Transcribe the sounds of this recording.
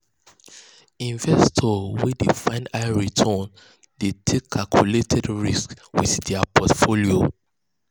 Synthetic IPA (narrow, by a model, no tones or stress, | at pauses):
ĩnvɛstʰɔwidefãɪ̃naɪɹitʰɔn | detʰekʰːalkʰjuletʰɛdɹiskwiθdapʰɔtfolio